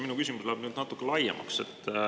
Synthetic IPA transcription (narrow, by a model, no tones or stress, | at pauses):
minukys̬ʲimuslææb̥nyːd̪nɑt̪ːˑukːˑelɑjɑ̰mɑ̰kse̞t̪ːˑ